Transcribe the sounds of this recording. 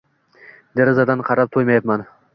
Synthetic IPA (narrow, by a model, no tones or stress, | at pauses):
d̪aɾɪzad̪anqʰɑɾap̚t̪ʰojmajapman